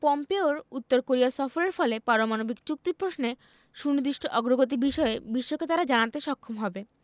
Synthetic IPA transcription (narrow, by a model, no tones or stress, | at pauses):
pɔmpeoɾut̪ːoɾkoɾiasɔfoɾeɾfɔlepaɾomanobikt͡ɕuk̚t̪ipɾosne | ʃunid̪iʃʈʰoʔɔɡɾoɡot̪̬ibiʃɔebiʃːoket̪aɾad͡ʑanant̪eʃɔkʰːomɦɔbe